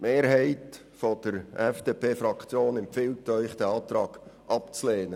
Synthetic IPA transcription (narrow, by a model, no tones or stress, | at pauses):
meːɾɦɛɪt | fɔd̥əɾɛfd̥eːpʰeːfɾɑkʰt͡sjoːnɛmpfɪltœʏχd̥ɛɑːt̪ɾɑːɡ̥ʔɑpt͡sleːnə